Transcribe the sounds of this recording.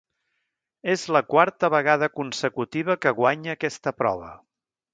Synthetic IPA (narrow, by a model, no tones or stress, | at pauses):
ezləkwaɾt̪əβəɣaðəkunsəkut̪iβ̞əkəɣwaɲəːkɛst̪əpɾɔ̰β̞ə